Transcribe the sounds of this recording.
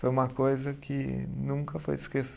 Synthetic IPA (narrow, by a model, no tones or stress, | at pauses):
fojũmɐkojzɐkʰɪnũkɐfo̰jɪskes